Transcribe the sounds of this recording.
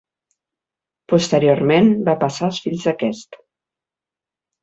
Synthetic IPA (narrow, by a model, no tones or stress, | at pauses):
pust̪əɾioɾmenbapəsaəlˠsfiʎzðəkɛst̪